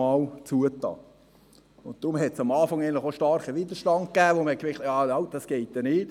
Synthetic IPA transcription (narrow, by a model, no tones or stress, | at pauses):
ɑlt͡suətɑ̰ː | ʊntt̪ɾʊmɦɛtsɑmɑːfɑŋæɪntlɪχoʃtɑɾχəʋidəʃtɑnt̚kæːʋoməɛkʋɪχtjɑːɑʊt̚d̥ɑsɡ̥eɪt̚d̥̪ɛnɪːt